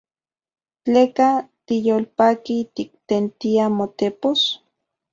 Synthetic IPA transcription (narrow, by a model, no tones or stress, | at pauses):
t͡ɬeːkat̪ijoːlpaːkit̪ik̚t̪ent̪iamot̪epos